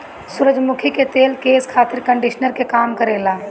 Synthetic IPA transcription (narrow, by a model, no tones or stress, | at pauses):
sʊɾəd͡ʒmʊkʰiket̪eːlkeːskʰaːt̪ɪɾkə̃ɳɖiʃnəɾkekaːmkəɾeːlaː